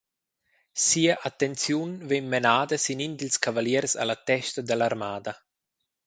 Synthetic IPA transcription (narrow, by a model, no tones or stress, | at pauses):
siːaʔat̪ːent͡sjunvenmenaːd̪ɐsinind̪ilskavaljɛɾsa̰lat̪ɛʃt̪ad̪əlaɾmaːd̪a